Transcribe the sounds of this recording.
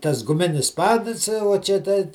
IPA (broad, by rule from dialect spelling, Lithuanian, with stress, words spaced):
tɐs ɡʊˈmʲɪnʲɪs ˈpɑːdɨs uɔ t͡ʃʲɛ ˈtɐɪ